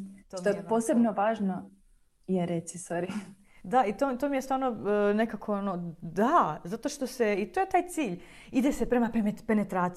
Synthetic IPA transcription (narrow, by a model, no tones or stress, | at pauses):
t̪ot̪opoːsebnoʋaːʒno | jeɾet̪sisoɾi | d̪ait̪ot̪omijest̪ʋaːɾnone̞kakʰoonod̪azat̪o̞ʃt̪o̞seit̪oje̞t̪aːjt̪siːʎ | id̪ese̞pɾe̞mapemepe̞ne̞t̪ɾaːt̪s